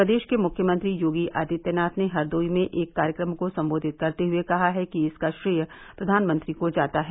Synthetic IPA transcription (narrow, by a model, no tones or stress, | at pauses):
pɾɐd̪eːʃkemʊkʰjəmə̃nt̪ɾijoːɡiʔaːd̪it̪jənaːt̪neɦɐɾd̪oːimẽʔeːkːaːɾjəkɾəmkosɐ̃mboːd̪ʱɪt̪̚kɐɾt̪eɦʊekɐɦaɦɛkiɪskaʃɾijə | pɾɐd̪ʱaːnmə̃nt̪ɾikod͡ʒaːt̪aɦɛ